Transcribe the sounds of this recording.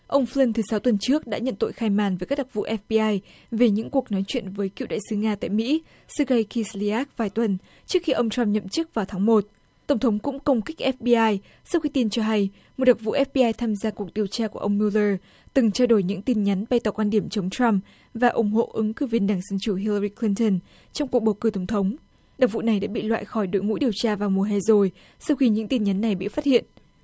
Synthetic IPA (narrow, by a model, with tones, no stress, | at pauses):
ʔə˧wŋ͡mflə˧nt̪ʰɨ˨˦sa˨˦wt̪wə˨˩nt͡ɕɨ˦˥ək̚ɗa̰ː˧˥ɲə̰˧˨nt̪o̰˧˨jxaː˧jmaː˧˩nvə˨˦kaː˦˥k̚ɗ̪a˨˩vṵ˧˨ʔɛ˦˥f̚ɓi˧ʔaː˧j | ve˨˩ɲɨ̰˧˥ŋku˨˩ək̚nɔ˨˦jt͡ɕwḭ˧˨ənvəː˨˦jki˧˨wɗa̰ː˧˨jsɨ˨˦ŋaː˧t̪a̰ː˧˨jmḭ˧˥ | sɨ˧ɣə˧jki˧sli˧aː˦˥k̚vaː˨˩jt̪wə˨˩n | t͡ɕɨ˦˥əkxi˧ʔə˧wŋ͡mt͡ɕɹa˧mɲə̰˧˨mt͡ɕɨ˦˥ək̚vaː˨˩wt̪ʰaː˨˦ŋmo˨˩t̚ | t̪ə˨˩wŋ͡mt̪ʰə˨˦wŋ͡mkʊ̰˧˥ŋ͡mkə˧wŋ͡mki˦˥k̟̚ʔɛ˦˥f̚ɓi˧ʔaː˧j | sa˧wxi˧t̪i˧nt͡ɕɔ˧ɦa˧j | m̚˨˩ɗk̚vṵ˧˨ʔɛ˦˥p̚ɓi˧ʔaː˧jt̪ʰaː˧mzaː˧ku˨˩ək̚ɗi˨˩əwt͡ɕaː˧ku˧˩əʔə˧wŋ͡mmi˧wləː˧ | t̪ɨ˨˩ŋt͡ɕa˧wɗo˧˩jɲɨ̰˧˥ŋt̪i˧nɲa˨˦nɓa˧jt̪ɔ˨˩kwaː˧nɗi˧˩əmt͡ɕə˨˦wŋ͡mt͡ɕa˧m | vaː˨˩ʔʊ˨˧˩ŋ͡mɦo̰˧˨ʔɨ˨˦ŋkɨ˨˧˩vi˧ənɗaː˨˧˩ŋzə˧nt͡ɕu˧˩ɦi˧lə˧ɹi˧kʰli˧ntə˧˩n | t͡ɕɔ˧ŋ͡mku˨˩ək̚ɓo˨˧˩wkɨ˨˧˩t̪ə˨˩ŋ͡mt̪ʰə˨˦wŋ͡m | ɗa˨˩k̚vṵ˧˨na˨˩jɗa̰ː˧˥ɓḭ˧˨lwa̰ː˧˨jxɔ˧˩jɗo˨˦jmṵ˧˥jɗi˨˩əwt͡ɕaː˧vaː˨˩wmu˨˩əɦa˧˩jzo˨˩j | sa˧wxi˧ɲɨ̰˧˥ŋt̪i˧nɲa˨˦nːa˨˩jɓḭ˧˨faː˦˥t̚hḭ˧˨ənʔ